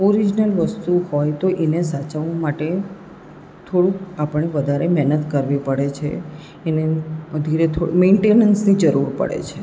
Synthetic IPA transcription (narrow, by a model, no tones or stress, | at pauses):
oɾid͡ʒnəlʋəst̪uhojt̪oʔenesat͡ʃəʋãmaʈe | t̪ʰoɽũapəɳneʋəd̪ʱaɾemɛɦnət̪kəɾʋipəɽet͡ʃʰḛː | ned̪ʱiɾet̪ʰo̰mẽɳʈenənsnid͡ʒəɾuɾpə̰ɽḛt͡ʃʰe